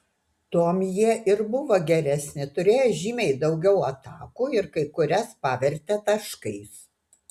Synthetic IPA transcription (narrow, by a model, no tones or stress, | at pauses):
t̪uɔmjiɛʔɪɾbʊʋoɡʲɛɾʲɛsʲnʲɪt̪ʊɾʲeːjoʒʲiːmʲɛɪd̪ɒʊɡʲɛʊɐt̪ɑːkuːɪɾkɐɪkʊɾʲɛspɑːʋʲɛɾʲt̪ʲɛt̪ɐʃkɐɪs